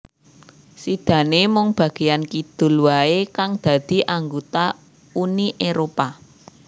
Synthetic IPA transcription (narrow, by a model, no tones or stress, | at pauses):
sid̪̥ä̤nemɔŋb̥ä̤ɡ̥e̤jankid̪̥ṳlwaekaŋd̪̥ä̤d̪̥i̤ʔaŋɡot̪a | uniʔeɾopa